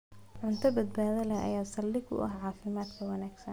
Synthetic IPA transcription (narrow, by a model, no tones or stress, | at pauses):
ʕʊnt̪ʰɐbɐd̪̚baːðɐlɐʔɐ̰jaːsɐlːɪɡʊ̰ʔɐ̰ɦʕɑːfɪmaːd̪kʰɐwɐnaːɡsɐn